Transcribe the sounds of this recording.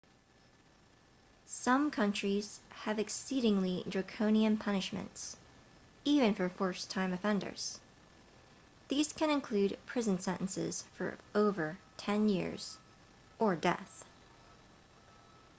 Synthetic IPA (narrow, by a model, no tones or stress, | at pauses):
sʌ̃mkʰʌ̃nt͡ʃɹ̥iz̥ɨvɨksiɾɪ̃ŋlidɹɨkʰõʊ̃niɨ̃mpʰʌnɨʃmɨ̰̃nts | ivɨ̃nfə˞fɔɹstʰãɪ̃mɨfɛ̃ndə̰˞z̥ | ðiz̥kɨ̃nɨ̃nkʰl̥ʉd̚pʰɹ̥ɪzɨ̃n̩sɛ̃ñʔn̩sɪ̰z̥fə̰˞oʊvə˞tʰɛ̃njɪ̰ɹz̥ | ʔə˞dɛ̰θ